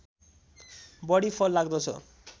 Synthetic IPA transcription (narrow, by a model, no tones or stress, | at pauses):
bɔɽifʰɔlːaɡd̪ɔt͡ɕʰo̰